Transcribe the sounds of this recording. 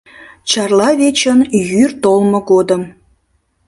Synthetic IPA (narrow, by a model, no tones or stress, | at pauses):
t͡ɕɑrlɑβet͡ɕənjyrt̪olmoɡod̪əm